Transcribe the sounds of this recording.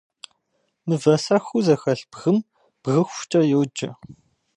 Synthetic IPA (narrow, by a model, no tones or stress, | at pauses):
mɨvɐsɐxʷuzɐxɐɬbɣɨm | b̥ɣɨxʷt͡ʃʼɐjowːd͡ʒɐ